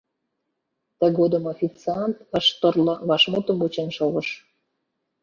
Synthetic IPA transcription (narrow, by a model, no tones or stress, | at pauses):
t̪ə̆ɣod̪əmofʲit͡seɑnt̪əʃt̪orlɤ̆βɑʃmot̪əmut͡ɕenʃoɣəʃ